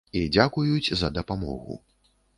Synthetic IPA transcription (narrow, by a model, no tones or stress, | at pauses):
id͡zʲakujut͡sʲzɐd̪ɐpamɔ̰ɣṵ